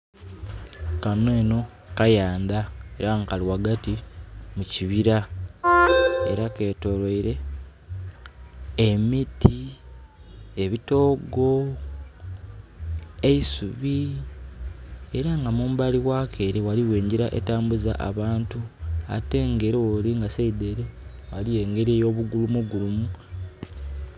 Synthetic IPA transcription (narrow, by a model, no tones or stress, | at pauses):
kaneːno̞ | kajaːnd̪ae̞ɾaŋkaliwaɡatimuciβiɾa | e̞̰ɾake̞ːto̞lweiɾe̞ | emitʰi | eβito̞ːɡo̞ | eisuβi | e̞ɾaŋɡamuːmbaliɣwaːkʰe̞ːɾiwaliweːɲɟiɾaʔḛtaːmbuza̰ʔa̰βaːntua̰te̞ŋɡe̞ɾewoliŋɡaseideɾewalije̞ːŋɡe̞ɾiejo̞ːβuɡulumuɡulumu